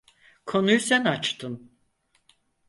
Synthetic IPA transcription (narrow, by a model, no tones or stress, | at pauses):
kʰo̞nujusænat͡ʃt̪ʰɯn